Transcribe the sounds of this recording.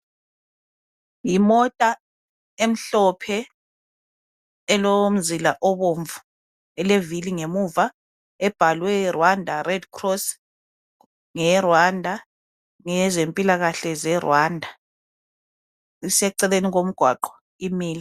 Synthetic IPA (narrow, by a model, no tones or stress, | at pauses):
jimɔtʼa | em̩ɬɔpʰɛ | ɛlɔom̩zilaʔɔβoɱvu | ɛleviliŋemuva | ɛb̥ʱalwɛrwandʱarɛdkʰrɔs | ŋɛrwandʱa | ŋɛzempʼilaɣaɬɛzɛrwaːndʱa | isɛuǀɛleniɣom̩ɡ̥ʱwa̰ǃɔ̥ | imiːli